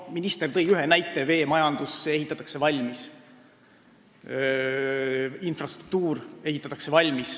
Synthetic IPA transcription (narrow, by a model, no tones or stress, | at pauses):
minist̪e̞rt̪ɤ̞jyɦenæjt̪ːˑe̞ve̞ːmɑjɑnd̪use̞ɦit̪ːˑɑt̪ːˑɑ̥kse̞vɑlʲmis | infrɑst̪ruk̚t̪uːre̞hit̪ːˑɑt̪ːˑɑkse̞vɑlʲmis